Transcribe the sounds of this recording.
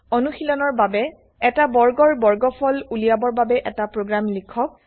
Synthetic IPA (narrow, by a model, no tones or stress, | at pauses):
ɔnuxilɔnɔɹbabɛ | ɛtabɔɹɡɔɹbɔɹɡɔpʰɔlulijabɔɹbabɛʔɛtapɹoɡɹamlikʰːɔk̚